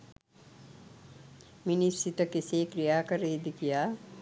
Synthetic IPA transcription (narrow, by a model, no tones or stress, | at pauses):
minisit̪əkisekɾijakɐɾeed̪ikija